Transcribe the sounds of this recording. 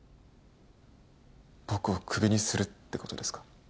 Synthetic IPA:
bokɯokʰɯbʲiɲisɨɾɯt̪ːe̞kot̪o̞d̪e̞sɨ̥kḁ

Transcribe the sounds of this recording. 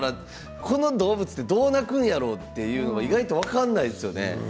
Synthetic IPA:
ɾa | kʰo̞no̞d̪o̞ːbɯ̟t͡sɨ̥t̪ːe̞d̪o̞ːnakɯ̟̃ɰ̃jaɾo̞ːt̪ːe̞jɯ̟ːno̞βaiɡait̪o̞β̞akãnːaid̪esɨjone̞̰

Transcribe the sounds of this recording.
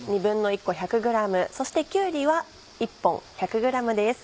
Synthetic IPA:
ɲ̟ibɯ̟̃nːo̞ikːo̞çakɯ̟ɡɯ̟ɾamɯ̟so̞ɕi̥t̪ekʲɨːɾʲiβa | ipːõ̞çakɯ̟ɡɯ̟ɾamɯ̟d̪e̞sɨ̥

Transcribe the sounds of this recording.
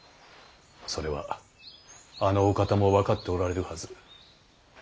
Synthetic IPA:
so̞ɾe̞βa̰ | ano̞ːkat̪amo̞βakat̪ːe̞oɾaɾe̞ɾɯ̟hazɨ

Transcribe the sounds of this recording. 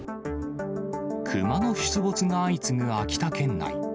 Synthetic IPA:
kʰɯmano̞ɕi̥t͡sɨbo̞t͡sɨŋaːit͡sɨmɯ̟akʲi̥t̪akẽ̞nːa̰i

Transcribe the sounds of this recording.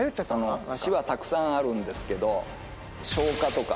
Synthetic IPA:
joat̪ːano̞ɕiβat̪akɯ̟̥sãɰ̃aɾɯ̟̃nd̪e̞sɨ̥ke̞d̪o̞ | ɕo̞ːkat̪o̞ka

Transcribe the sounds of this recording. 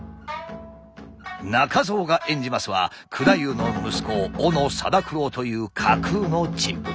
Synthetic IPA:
nakazo̞ːɡaʔẽ̞ɲ̟d͡ʑimasɨβa̰ | kʰɯ̟ɾajɯːno̞mɯ̟sɨ̥ko̞ːno̞sa̰d̪akɯ̟ɾoːt̪o̞jɯ̟ːkʰakʰɯno̞d͡ʑĩm

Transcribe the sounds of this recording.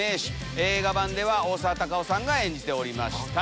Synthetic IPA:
e̞ːɕi̥ | e̞ːɡabãnd̪e̞βao̞ːsaːt̪akaosãŋɡaẽ̞ɲ̟d͡ʑit̪e̞o̞ɾʲima̰ɕi̥

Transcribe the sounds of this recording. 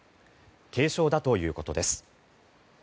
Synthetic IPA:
kʰe̞ːɕo̞ːd̪at̪o̞jɯ̟ːko̞t̪o̞d̪e̞sɨ̥

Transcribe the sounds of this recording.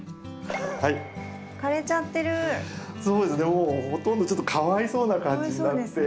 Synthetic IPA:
hai | kaɾe̞t͡ɕat̪ːe̞ɾɯ̟ | so̞ːd̪e̞sɨne̞moːho̞t̪õnd̪o̞t͡ɕo̞t̪ːo̥kʰaβaiso̞ːnakãɲd͡ʑinad̪e̞

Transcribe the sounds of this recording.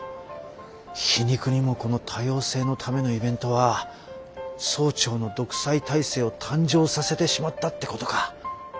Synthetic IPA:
çiɲ̟ikɯ̟ɲ̟imo̞ko̞no̞t̪ʰajo̞ːse̞ːno̞t̪ʰame̞no̞ibẽ̞nt̪o̞βa | so̞ːt͡ɕo̞ːno̞d̪o̞kɯ̟̥sait̪aise̞ːo̞t̪ʰãɲ̟d͡ʑo̞ːsase̞t̪e̞ɕimat̪ːat̪ːe̞ko̞t̪o̞ka

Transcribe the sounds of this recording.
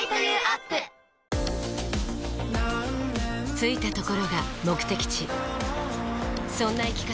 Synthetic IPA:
apːɯ | t͡sɨit̪at̪o̞ko̞ɾo̞ɡamo̞kɯ̟̥t̪e̞kʲi̥t͡ɕi | sõ̞nːaikʲi̥ka

